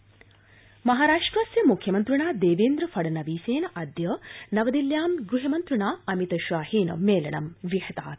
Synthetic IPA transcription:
mɐɦaːɾaːʂʈrasjɐmukʰjɐmɐnt̪ɾuɳaːd̪eːʋeːnd̪ɾɐfɐɖɐnɐʋiːseːnɐʔɐd̪jənɐʋɐd̪iljaːmɡɾuɦɐmɐnt̪ɾuɳaːɐmit̪ɐʃʋaːhiːnɐ̰meːlɐnɐ̰mʋihɐt̪a̰ːt̪

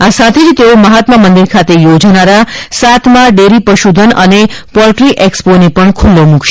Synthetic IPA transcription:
asat̪ʰed͡ʒt̪eoməɦat̪məmənd̪iɾkʰat̪ejod͡ʒanaɾasat̪ʰmãɖeɾipəʃud̪ʱənənepɔɾʈɾiʔeksponepəɳkʰulːomũkʰʃe

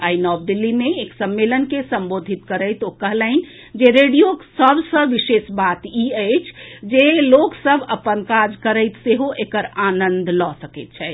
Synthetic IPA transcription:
ainɔbd̪ilːimeeksəmːelənkesəmbod̪ʱit̪kəɾəɪt̪okəɦləɪn | d͡ʒeɾeɖijoksəbʱsə̃ʋiʃesbat̪iəjt͡ʃʰd͡ʒeloksəbʱəpənkad͡ʒkəɾəɪt̪seɦoʔekəɾanənd̪ʱlɔsəkət̪̚t͡ʃʰɛ

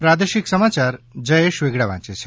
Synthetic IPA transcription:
pɾad̪əʃiksəmat͡ʃaɾd͡ʒəjeʃʋeɡɽaʋã̰ːt͡ʃet͡ɕʰe̥

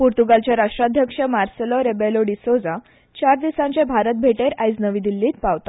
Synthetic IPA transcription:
puɾt̪uɡalt͡ɕjaɾaʂʈɾad̪ʱjəkʂəmaɾsəlɔɾebeloɖisod͡za | t͡ɕaɾd̪isãɲt͡ɕẽbʱaɾət̪̚bʱeʈeɾajd͡znəʋid̪ilːiːt̪̚paʋt̪a

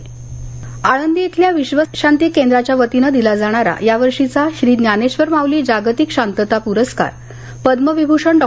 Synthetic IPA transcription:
aɽənd̪iet̪ʰljaʋiɕʋəɕant̪iːkːend̪ɾat͡ɕjaʋət̪inəd̪ilad͡zaɽ̃aɾa̰jaʋəɾʂit͡saɕɾiːd̪njaneɕʋəɾmaʋliːd͡ʑaɡt̪ikɕant̪ət̪apuɾəska̰ɾ | pəd̪məʋibʱuʂəɳɖɔ

